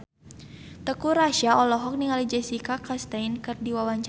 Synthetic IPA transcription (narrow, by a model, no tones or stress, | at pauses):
t̪əkuɾaʃaɔlɔɦɔk̚niŋalid͡ʒɛsikakast̪ainkɨrdiwawaɲt͡ʃ